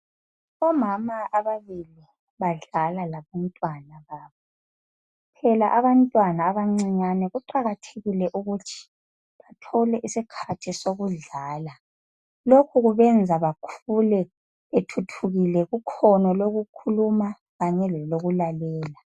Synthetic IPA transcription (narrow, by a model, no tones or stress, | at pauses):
ɔmamaaβaβili | βaɮalalaβantʼwanaβaːβɔ | pʰɛlaʔaβantʼwanaːβaŋ͡ǀiɲanɛɣuǃaɣatʰeɣilɛʔuɣutʰi̥ | βatʰɔlɛʔisikʰatʰisoɣuɮaːla | lokʰuɣuβɛnd͡zʱaβakʰulɛ | etʰutʰuɣilɛɣukʰɔnɔloɣukʰuluma | ɣaɲɛlɛloɣulalɛːla